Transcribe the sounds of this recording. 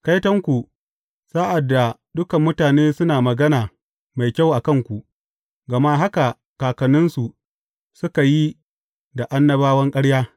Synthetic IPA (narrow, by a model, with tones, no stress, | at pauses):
ka˦jtɐ˦ŋkʷu˨ | saː˦ʔa˨dːa˨dʊ˦kɐ˨mːʊ˦taː˨neː˦sʊ˦naː˨mɐ˨ɡɐ˦naː˨ | ma˨jkʲa˦˨wʔa˨kɐ˦˨ŋkʷu˨ʔ | ɡɐ˨ma˦ɦa˦ka˨ | kaː˨kɐ˨nʊ˦nsu˨ | sʊ˦ka˨ji˦ | da˨ʔa˦nːɐ˦baː˦wɐ˦ŋkʼɐ˦ɽjaː˦